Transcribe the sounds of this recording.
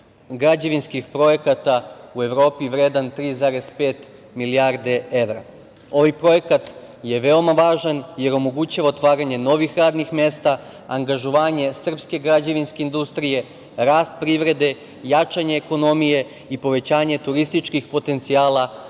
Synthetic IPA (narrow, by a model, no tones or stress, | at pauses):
ɡɾad͡ʑaʋinskixpɾo̞je̞kat̪aue̞ʋɾo̞ːpiʋɾeːd̪ant̪ɾiːzaːɾe̞spe̞ːt̪ | miliaɾd̪e̞e̞ʋɾa | o̞ʋajpɾo̞je̞kat̪ | je̞ʋe̞o̞maʋaːʒanje̞ɾo̞mo̞ɡuːt͡ɕaʋaot̪ʋaːɾaɲe̞no̞ʋixɾaːd̪nixme̞st̪a | aŋɡaʒoʋaːɲe̞sr̩pske̞ɡɾad͡ʑaʋinske̞ind̪ust̪ɾije̞ | ɾaːst̪̚pɾiʋɾe̞d̪e̞ | jat͡ʃaɲeːko̞no̞mije̞ | ipo̞ʋe̞t͡ɕaːɲe̞t̪uɾist̪it͡ʃkixpo̞t̪e̞nt̪siaːla